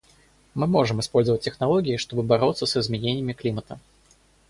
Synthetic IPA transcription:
mɨmɔʐɨmɨspɔlʲzəvət̚ʲtʲːɛxnalˠɔɡʲijiʂt̪ɔbɨbaɾɔt̪sɐsɨzmʲɛnʲenʲːɪmʲiklʲimɐt̪ɐ

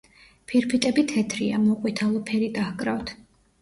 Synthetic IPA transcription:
pʰiɾpʰit̪ʼɛbit̪ʰɛt̪ʰɾiamɔqʼwit̪ʰalˠɔpʰɛɾid̪ahkʼɾavt̪ʰ

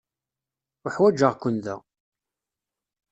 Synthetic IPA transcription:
ʊħwæd͡ʒəʁkːʊnðæ̰

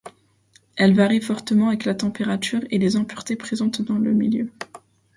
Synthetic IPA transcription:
ɛlvaʁifɔʁt̪əmɑ̃avɛklat̪ɑ̃peʁat̪yːʁelezɑ̃pyʁt̪epχezɑ̃t̪d̪ɑ̃ləmiljø

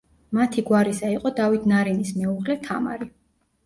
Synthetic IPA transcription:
mat̪ʰiɡwaɾisaiqʼɔd̪avit̪ʰnaɾinismɛuʁlɛt̪ʰa̰ma̰ɾi

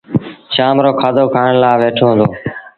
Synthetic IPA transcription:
ʃaːmɾoːkʰaːd̪oːkʰaːəɳlaːʋeːʈʰoːɦə̃nd̪oː

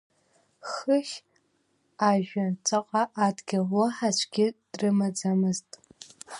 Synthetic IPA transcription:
χəχʲ | aʒᶣant͡ʃʷʰaqʼaʔadɡʲawaħaʃʷʰɡʲɪd̥rɨmad͡zamɨztʼ

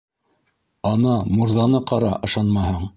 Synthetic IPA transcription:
ɑnɑmuɾðɑnɤqɑɾɑ̰ʔɤ̆ʃɑnmɑhɤɴ

